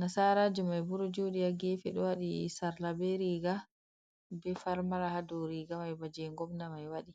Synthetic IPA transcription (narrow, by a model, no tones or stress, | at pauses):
nasaɾaːd͡ʒumajbuɾɔd͡ʒowɗijaɡɛfɛɗɔwaɗisaɾlabɛɾiɡa | bɛfaɾmaɾahadɔɾiɡamajbad͡ʒɛŋɡɔbnamajwaɗi